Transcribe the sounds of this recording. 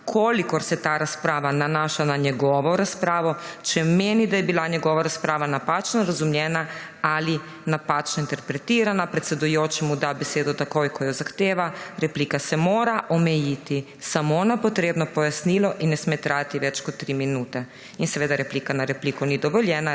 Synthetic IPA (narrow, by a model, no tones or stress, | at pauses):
kʰolikoɾset̪aːɾaspɾaːʋananaːʃanaɲeɡoʋoɾaspɾaːʋot͡ʃɛmenid̪ajebiːlˠaɲeɡoʋaɾaspɾaːʋanapat͡ʃnoɾazumʎena | ali | napat͡ʃnoint̪eɾpɾet̪iːɾanapɾe̞t̪sed̪ujot͡ʃimud̪abeseːd̪ut̪akojkʰojozaxt̪eːʋaɾeplikasemoːɾaʔomejit̪i | samoonapot̪ɾeːbnopojasnilˠoʔinesmet̪ɾaːd̪t̪iʋet͡ʃkot̪t̪ːɾiːminuːt̪e | insʋed̪aɾeplikanaɾeplikonid̪oʋoʎena